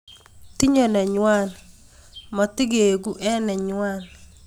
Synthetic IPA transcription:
t̪i˦ɲɔ˨nɛ˨ɲwa˦n | ma˨tɪ˦ɡe˨ɡu˦ʔɛ˦nɛ˨ɲwa˦n

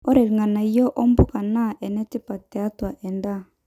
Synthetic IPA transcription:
ɔ˦ɾɛ˨ɾi˨ŋa˨na˨i˨˦jɔ˦ʔɔ˦mbo˦ka˨na˦˨ʔɛ˨nɛ˦ti˦pa˨tɛ˨a˦twa˨ʔɛ˨nda˦

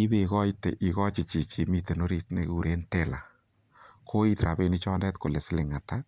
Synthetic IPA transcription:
i˦be˨kɔ˦jtḛ˨ʔi˨kɔ˦t͡ʃi˨t͡ʃi˨t͡ʃi˨mi˧te˨no˦ɾi˦t̚ne˦ku˨ɾe˦nte˨la̰˨ | kʰo˦i˦tɾa˨be˧ni˦t͡ʃɔː˦ndɛ˦tko˨le˨sɪ˦lɪ˨ŋa˨ta˦

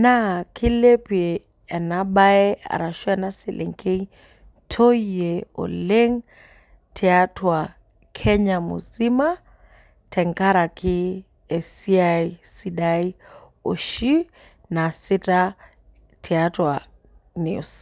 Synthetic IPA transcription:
na˦kʰi˦le˦pi | ɛ˨naɓa˦ɛ˦a̰˨ɾa˨ʃu˦ɛna˦si˨lʔḛ˨ŋkʰe˦ | tʰo˦ieo̰˨le˦ŋ | tʰɛatʰwa | kʰɛɲamṵ˨zi˦ma˦ | tʰɛ˨ŋka˦ɾa˨kʰi˦ | ɛ˨siaisi˦ɗai˦ | o̰˨ʃi˦ | na˨si˦ta | tʰɛ˨atwa | nḛ˨us

